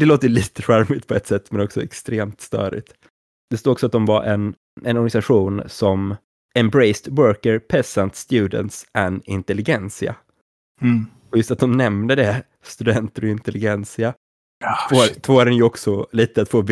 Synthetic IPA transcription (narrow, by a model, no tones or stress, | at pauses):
d̥̪ɛloːt̪əjliːt̪əɧæɾmɪt̪̚pʰɔɛt̪sɛt̪ːmɛnɔksɔɛkst̪ɾeːmt̪st̪œ̰ːɾɪ̰t̪ | d̪̥ɛst̪oːɾɔksɔat̪̚d̪ɔmvaɾʔɛn | ɛnɔɾɡanɪsaɧuːnsɔm | ɛmbɾɛɪst̪wœːkəɾpʰɛsant̪st̪jʉ̟ːd̪ə̰nt̪sɛnɪ̰nt̪ɛlɪɡɛnsɪa̰ | ɔjɵst̪at̪̚d̪ɔmnɛmnəd̪ɛ | st̪ɵd̪ɛnt̪əɾɔɪnt̪ɛlɪɡɛnsɪa | fot̪ʰvoːaɾɛnjɵɔksɔliːt̪əat̪foːb